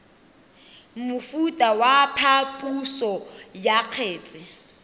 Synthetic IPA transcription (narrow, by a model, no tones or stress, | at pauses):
mʊfutʼawapʰapʼusɔjaq͡χʰeːt͡sʼɪ